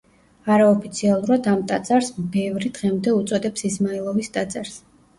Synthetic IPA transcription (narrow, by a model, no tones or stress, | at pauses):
aɾaɔpʰit̪sʰialˠuɾad̪amt̪ʼat̪sʼaɾsmbɛvɾid̪ʁɛmd̪ɛut̪sʼɔd̪ɛpsismailˠɔvist̪ʼat̪sʼaɾs